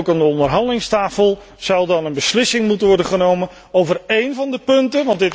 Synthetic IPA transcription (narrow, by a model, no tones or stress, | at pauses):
wkandəɔndərɦɑndəlɪŋstaːfəlˠ | z̥ʌwˠdɑnənbəslɪsɪŋmutənʋɔɹdəχənowmən | owvərejnvɑndəpɵntənʋɑntdɪt